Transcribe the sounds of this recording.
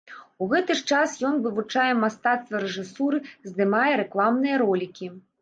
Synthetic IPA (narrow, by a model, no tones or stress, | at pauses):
uɣɛt̪ɨʂt͡ʂasjɔnvɨvut͡ʂajɛmast̪at̪st̪vɐɾɛʐɨsuɾɨzd̪ɨmajɛɾɛklˠamnɨjɐɾɔlʲikʲi